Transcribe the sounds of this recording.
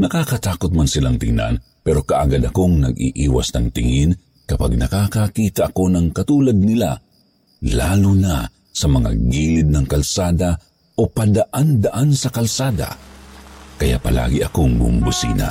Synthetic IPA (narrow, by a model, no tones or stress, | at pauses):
nɐkakɐt̪aːkot̪̚mansɪlaŋt̪ɪŋna̰n | pɛɾo̞kaʔaɡad̪ɐkoŋnɐ̰ɡḭʔiːwa̰snɐŋt̪ɪŋin | kɐpa̰ɡ̚nɐkakakiːt̪aʔɐko̞nɐŋkɐt̪uːlad̪̚nɪla̰ | laːlʊna | sɐmɐŋa̰ɡilɪd̪̚nɐŋkɐlsaːd̪a | opad̪aʔand̪aʔansɐkɐlsaːd̪a̰ | kɐja̰pɐla̰ːɡɪʔɐ̰koŋbʊ̰mbʊsḭːna̰